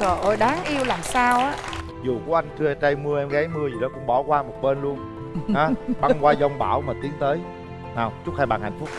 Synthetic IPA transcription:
sɔ˨˩ʔo˧˩jɗaː˨˦ŋʔi˧əwlaː˨˩msaː˧wʔaː˦˥ | zu˨˩ku˨˩˦ʔa˧jŋ̟t͡ɕɨ˧ʔɛ˧t͡ɕa˧jmɨ˧əʔɛ˧mɣa˨˦jmɨ˧əzi˨˩ɗɔ˨˦kʊ̰˧˥ŋ͡mɓɔ˧˩kwaː˧mo˨˩t̚ɓe˧nlu˧ən | aː˨˦ɓa˧ŋkwaː˧zɔ˧wŋ͡mɓa̰ː˧˩wmaː˨˩t̪i˨˦əŋt̪əː˨˦j | naː˨˩wt͡ɕʊ˦˥t̚haː˧jɓa̰ː˧˨˩nha̰˨˩j̟fʊ˦˥k͡p̚

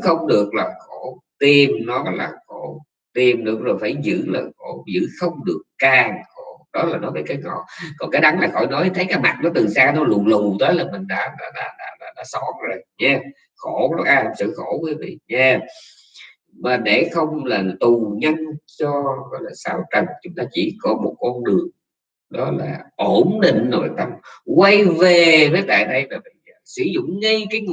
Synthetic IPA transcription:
xə˧wŋ͡mɗɨ˨˩ək̚laː˨˩xo˧˩˥ | t̪i˧mnɔ˨˦ɣɔ̰˧˩˨jla̰ː˨˩xo˧˩ | t̪i˧˩mɗɨ˨˦˥ək̚zo˨˩jfaː˧˩jzɨ̰˧˥laː˨˩xo˧˩zɨ̰˧˥xə˧wŋ͡mɗɨ˨˩əkːaː˧ŋxo˧˩ɗɔ˨˦laː˨˩nɔ˨˦vaː˨˩kaː˨˦jŋɔ̰˧˩˨kɔ˨˩nkaː˨˦jɗa˨˦nlaː˨˩xɔ̰˧˨jnɔ˨˦jt̪ʰə˨˦jkaː˨˦jma˨˩t̚nɔ˨˦t̪ɨ˨˩saː˧nɔ˨˦lu˨˩lu˨˩t̪əː˨˦jlaː˨˩mï˨˩ŋ̟ɗa̰ː˧˥lɔː˧˩laː˨˩ɗaː˧˨˩laː˨˩ɗa˧˥sɔ˨˦˥t̚zo˨˩jɲɛ˧ | xo˧˩ɾə˦˥ʔaː˧a˨˩msɨ̰˧˨xo˧˩kwiː˨˦jvḭ˧˨ɲaː˧˩ | maː˨˩ɗe˧˩xə˧wŋ͡mlaː˨˩t̪u˨˩ɲə˧nt͡ɕɔ˧˨˦lːsa̰ː˧˩wt͡ɕə˨˩ŋt͡ɕʊ˨˦ŋ͡mt̪aː˧t͡ɕḭ˧˩kɔ˨˦mo˨˩t̚kɔ˧nɗɨ˨˩əŋ | ɗɔ˨˦laː˨˩ʔo˧˩nɗḭ̈˧˨ŋ̟zo˨˩la˨˩t̪a˧mkwa˧jve˨˩vəː˨˦jt̪a̰ː˧˨jɗə˧jmaː˨˩mḭ˧˨˩sɨ̰˧˥zʊ̰˧˨ŋ͡mŋə˧jkaː˨˦jŋ˨

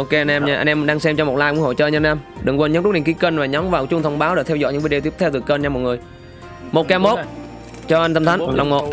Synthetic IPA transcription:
ʔo˧ke˧ʔa˧nʔɛ˧m˧ʔa̰˧ŋ̟ʔɛ˧mɗaː˧ŋsɛ˧mt͡ɕɔ˧mo˨˩t̚laː˧˩jkŋho̰˧˨t͡ɕɔː˧ɲə˧nʔa˧mɗɨ˨˩ŋkwə˧nɲ˨˦nɨ˦˥ɗḭ˨˩ŋki˨˦kəː˧nvaː˨˩ɲɔ˨˦mvaː˨˩wt͡ɕʊ˧ŋ͡mt̪ʰə˧wŋ͡mɓaː˨˦wɗe˧˩t̪ʰɛ˧wzɔ̰˧˨jɲɨ̰˧˥vi˨˦˥e˨˩t̪i˦˥əpt̪ʰɛ˧wt̪ɨ˨˩kəː˧nt͡ɕa˧mo˨˩ŋɨ˨˩əj | mo˨˩t̚kaː˧mo˦˥t̚ | t͡ɕɔ˧ʔa˧jnt̪ə˧mt̪ʰa˨˦ŋla̰˨˩wŋ͡mmo̰˧˨

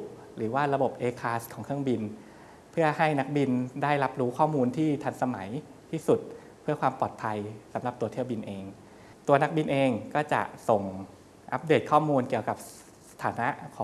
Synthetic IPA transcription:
ɾɯː˩˦waː˥˩ɾa˧bo˨˩p̚ʔeː˧kʰaː˨˦˥skʰɔː˩˦ŋʰkʰɯ˥˩əŋbi˧n | pʰɯ˥˩ɐha˥˩jna˦˥k̚bi˧ndaː˥˩jla˦˥p̚ɾuː˦˥kʰɔː˥˩muː˧nt̪ʰiː˥˩t̪ʰa˧˥nsa˧ma˩˦j | t̪ʰiː˥˩su˨˩t̪̚ | pʰɯ˥˩ɐkwaː˧mpɔː˨˩t̪̚pʰa˧jsa˩˦mɾa˨˩p̚t̪u˧t̪ʰi˥˩əwbi˧nʔeː˧ŋ | t̪u˧ɐna˦˥k̚bi˧nʔeː˧ŋkɔː˥˩t͡ɕa̰˨˩ʔso˨˩ŋ | ʔa˦˥p̚deː˨˩t̪̚kʰɔː˥˩muː˧nki˨˩əwka˨˩p̚ | sa˧t̪ʰaː˩˦na˦˥ʔkʰɔː˨˦

